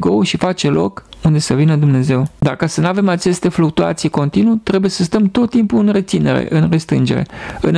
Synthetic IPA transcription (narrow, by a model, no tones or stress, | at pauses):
ɡo̞ʃifat͡ʃe̞lo̞̰kund̪e̞səvinəd̪umne̞ze̞wd̪akasənuave̞mat͡ʃe̞st̪e̞fluk̚t̪ua̰t̪sijko̞nt̪inut̪ɾe̞buje̞səst̪əmt̪o̞t̪ːimpuɨnre̞t̪sine̞̰ɾḛʔɨnrest̪ɾɨ̰nd͡ʒe̞ɾḛɨ̰n